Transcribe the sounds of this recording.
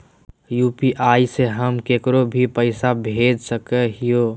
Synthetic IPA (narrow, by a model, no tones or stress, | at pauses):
juːpiʔaːiseɦəmkeːkɾobʱipəɪsabʱeːd͡ʒʱsəkeɦijo